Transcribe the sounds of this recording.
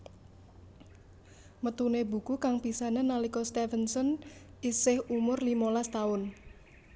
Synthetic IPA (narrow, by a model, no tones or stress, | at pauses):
mət̪unebṳkukaŋpisananalikɔst̪ɛfənsɔn | isɪhumʊrlimolast̪aʊn